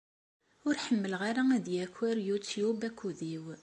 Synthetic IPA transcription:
ʊɾħəmːəlʁaɾaæðjækʷːæɾjut͡sjubækʰʷːuðiw

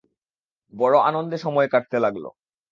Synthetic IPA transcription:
bɔɽoa̰nond̪eʃɔmɔekaʈ̚t̪elaɡlo̰

